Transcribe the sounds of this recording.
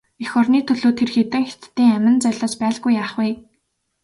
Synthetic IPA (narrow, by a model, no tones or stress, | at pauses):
ixɔrniːt̪ʰɵɮoːt̪ʰerxet̪ɘ̆ŋxet̪ːiːŋæmɪ̆nt͡sœɮaːspæːɮɣujːaːχwuj